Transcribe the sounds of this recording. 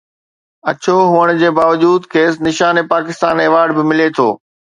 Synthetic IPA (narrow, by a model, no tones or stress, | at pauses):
ɐ̰t͡ɕoɦʊəɽ̃d͡ʑeːbaːʋəd͡ʑuːd̪kʰeːs̬nɪʃaːnepaːkɪst̪aːneːʋaːɾɖbɪmɪlet̪ʰo̰ː